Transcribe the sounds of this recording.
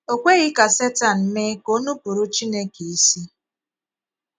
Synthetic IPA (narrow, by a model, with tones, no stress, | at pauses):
o˨kʷe˦ɣɪ˦ka˨se˦ta˨n̩˨me˦ko˦nu˦pu˨ɾu˦t͡ʃi˦ne˦ki˨i˦si˦